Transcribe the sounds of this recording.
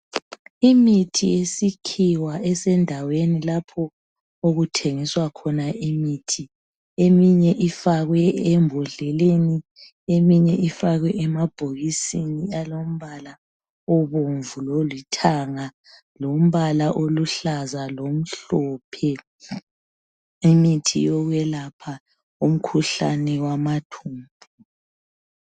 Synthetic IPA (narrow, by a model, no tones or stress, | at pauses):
imitʰijesikʰiwaʔɛsɛndʱawenilapʰɔ | oɣutʰeŋiswakʰɔnaʔimitʰi | emiɲɛʔifaɣwɛɛmbʱɔɮɛleni | emiɲɛʔifaɣwɛʔɛmab̥ʱoɣisinialom̩βala | ɔβoɱvulolitʰaŋa | lom̩βalaʔoluɬazalom̩ɬɔːpʰɛ | imitʰḭjɔɣwɛlapʰa | um̩kʰuɬa̰nɛwamatʰuːmbʱu